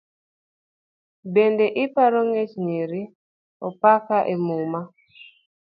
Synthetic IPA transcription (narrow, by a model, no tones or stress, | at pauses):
bendeʔɪpaɾoŋet͡ʃniɾi | ɔpakaʔemuma